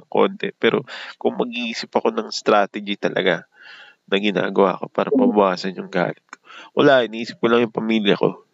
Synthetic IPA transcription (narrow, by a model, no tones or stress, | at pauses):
ɐŋko̞̰nt̪ɛpɛːɾo̞kʊŋmɐɡ̚ʔiːsɪpɐko̞nɐŋst̪ɾaːt̪ɛd͡ʒit̪ɐlɐ̰ɡa | nɐɡɪna̰ːɡɐwa̰ːko̞pa̰ːɾɐpɐbʊʔaːsɐnjʊŋɡa̰ːlɪt̪̚kʰo̞wɐlaːʔɪnʔiːsɪ̥p̚kʊlɐŋjʊŋpɐmiːljɐko̞